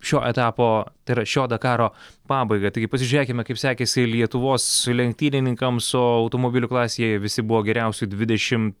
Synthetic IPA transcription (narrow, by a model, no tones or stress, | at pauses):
ʃʲoːʔɛt̪ɑːpoːt̪ɐɪɾɐʃʲoːd̪ɐkɑːɾoːpɑːbɐɪɡɐt̪ɐɪɡʲɪpɐsʲɪʒʲʊɾʲeːkʲɪmʲɛkɐɪpsʲɑːkʲeːsʲɪlʲiɛt̪ʊʋoːslʲɛŋʲk̚t̪ʲiːnʲɪnʲɪŋkɐmsʊɐʊt̪omoːbʲɪlʲʊklˠɑːsʲejɛjɛʋʲɪsʲɪbʊʋoːɡʲɛɾʲɛʊsʲʊɪd̪ʲʋʲɪd̪ʲɛʃʲɪmt